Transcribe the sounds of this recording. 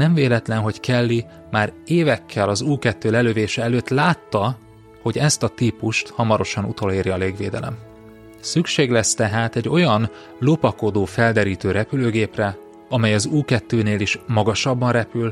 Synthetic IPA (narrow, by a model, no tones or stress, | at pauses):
nɛɱveːlɛt̪lɛnɦo̞ckɛlːi | maːɾeːvɛkʰːɛlɒzuːkɛt̪ːøːlɛløːveːʃɛɛløːt̪laːt̪ːɒ | ho̞ɟɛst̪ɒt̪iːpuʃt̪hɒmɒɾo̞ʃɒnṵt̪o̞leːɾjɒleːɡveːd̪ɛ̰lɛ̰m | sykʃeːɡlɛst̪ɛɦaːt̪ɛɟːo̞jɒn | lopɒko̞d̪oːfɛld̪ɛɾiːt̪øːɾɛpyløːɡeːprɛ | ɒmɛjɒzuːkɛt̪ːøːneːliʃmɒɡɒʃɒbːɒnrɛpyl